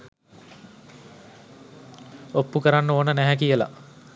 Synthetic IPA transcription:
opːukəɾanːəoːnənæɦækijəla̰

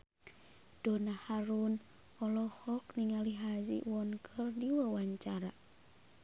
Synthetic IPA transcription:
d̥onahaɾun | ɔlɔhɔk̚niŋaliɦazḭwɔnkʰɨrdiwəwaɲt͡ʃaɾa

